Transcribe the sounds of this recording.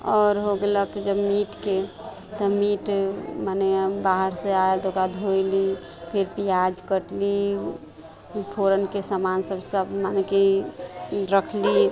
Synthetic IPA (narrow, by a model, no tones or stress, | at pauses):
ɔːɾɦoɡləkd͡ʒəbmiʈke | t̪ɔmiʈmanebaɦəɾseaelt̪okad̪ʱojli | pʰɪɾpijad͡ʒkəʈli | pʰoɾənkesamansəbsəbmaneke | ɾəkʰli